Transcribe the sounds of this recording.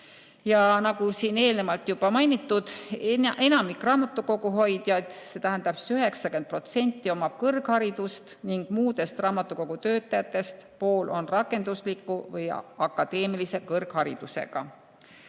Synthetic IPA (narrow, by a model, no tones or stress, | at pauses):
jɑnɑɡusiːne̞ːlne̞mɑlt̪jub̥ɑmɑjnit̪ːˑud̪̥ʔe̞nɑmikrɑːmɑt̪ːˑuko̞ɡuɦo̞jd̪̥jɑd̪̥se̞ːt̪æɦænd̪̥ɑpsyɦe̞ksɑke̞nd̪̚pro̞t̪se̞nʲt̪ːˑio̞mɑ̥kɤrɡhɑɾid̪̥ust̪niŋɡ̥muːd̪̥e̞st̪rɑːmɑt̪ːˑuko̞ɡ̥ut̪øːt̪ːˑɑjɑt̪ːˑe̞st̪po̞ːlʔo̞nrɑkːˑe̞nd̪uslikːˑuvɯjɑkːˑɑd̪̥e̞ːmilise̞kɤrɡ̥hɑɾid̪̥use̞̰ɡ̥ɑ̰